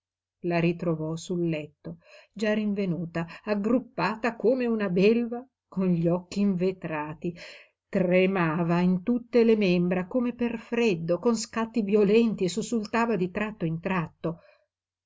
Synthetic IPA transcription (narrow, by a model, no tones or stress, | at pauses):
laɾit̪ɾovɔsulːɛt̪ːod͡ʒariɱvenuːt̪aaɡɾupːaːt̪akoːmeunabelva | konʎiɔkːiːɱvet̪ɾaːt̪i | t̪remaːvaint̪ut̪ːelemembɾakomeperfɾed̪ːokonskat̪ːivjolɛnt̪iesusult̪aːvad̪it̪ɾat̪ːoint̪ɾat̪ːo